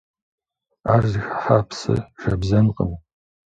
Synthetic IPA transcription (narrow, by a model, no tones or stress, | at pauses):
aːrzixḁħaːpsɐ̰ʒ̥ɐbzɐnqʼə̰m